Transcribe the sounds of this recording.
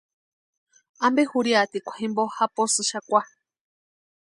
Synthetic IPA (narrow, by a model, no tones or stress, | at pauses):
ambehuɾjat̪ikʷḁhembohaposɨʃakʷa